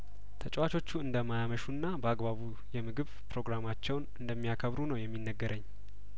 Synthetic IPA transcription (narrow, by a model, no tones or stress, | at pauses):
t̪ʰət͡ʃʼwat͡ʃʰo̞t͡ʃːuɨnd̪əmajaməʃunːabəaɡbaβu | jɛmɨɡɨβpɾo̞ɡɾamat͡ʃːɛwnɨnd̪əmːijakʰəβɾunəwjɛmːinːəɡːəɾʔəɲː